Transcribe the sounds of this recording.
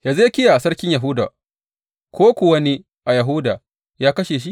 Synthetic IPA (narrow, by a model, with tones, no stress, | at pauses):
jaː˨zkʲɪ˦ja˨ʔa˨sɐ˦ɽkʲɪ˦ɲja˨ɦʊ˦da̰ː˨ | kʰʷoː˦kʷʊ˨wɐ˦ni˦ | ʔa˨jɐ˨ɦʊ˦daː˨ | jaː˦kɐ˦ʃeː˨ʃ̬i˦ʔ